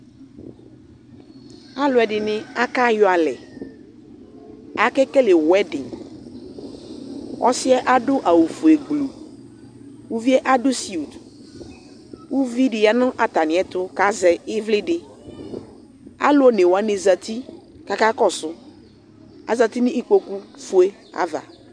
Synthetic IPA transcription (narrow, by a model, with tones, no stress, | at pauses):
a˦lʊ˨˦ɛ˨dɪ˨nɪ̃˦a˦ka˦jʊ˨˦a˨lɛ˨ | a˨kɛ˦kɛ˦lɪ˨wɛ˦dɪ˨ | ʔɔ̰˦sɪ˦ɛ˦ʔa˦dʊ˦ʔa˨wu˨fu˨ɛ˨ɡlu˨ | wu˦vi˦ɛ˦ʔa˦dʊ˦si˨u˨t | wu˦vi˦dɪ˨ja˨nʊ̃˦ʔa˨ta˨nɪ̃˨ɛ˦tʊ˦ka˦zɛ˨ɪ˦vlɪ˦dɪ˦ | a̰˦lʊ˦o˦ne˨wa˦ne˨za˨ti˦ | ka˦ka˦kɔ˦sʊ˦ | a̰˨za˨t̪i˦nɪ̃˦ʔi˦k͡po˦ku˦fu˦e˦ | a̰˦va̰˨